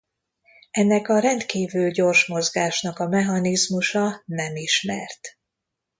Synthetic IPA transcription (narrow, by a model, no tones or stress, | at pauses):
ɛnːɛkɒɾɛnt̪kiːvylɟo̞rʃmo̞zɡaːʃnɒkɒmɛɦɒnizmuʃɒnɛmiʃmɛrt̪